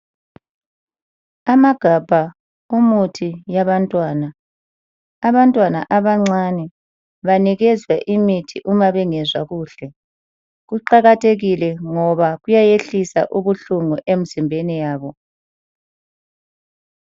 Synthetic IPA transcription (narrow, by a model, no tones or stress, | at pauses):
amaɡ̥ʱab̥ʱa | umutʰijaβantʼwaːna | βantʼwana̰ʔaβaŋ͡ǀanɛ | βaniɣɛzwaʔimitʰiʔumaβɛŋɛzwaɣuːɬɛ | ɣuǃaɣatʰeɣilɛŋɔβaɣujajeɬisa̰ʔuβuɬuŋɔʔem̩z̥imbʱenijaːβɔ